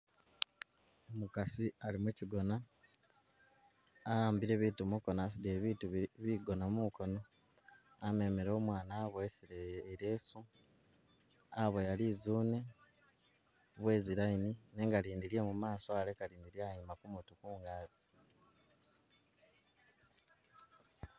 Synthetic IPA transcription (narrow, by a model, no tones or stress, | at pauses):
omukasialimuciɡo̞na | aːmbiɾe̞ːβiːtumuko̞nasideβiːtuβiɡo̞namuko̞no̞ | ame̞meɾo̞ːmwaːnaβoesiɾeːɾe̞ːsu | aβojalizuːne̞ | βwe̞ːziɾainine̞ːŋɡaɾiːndiɾjemumaːsoale̞kaɾiːndiɾjeajimakumutukuːŋɡaːz̥i̥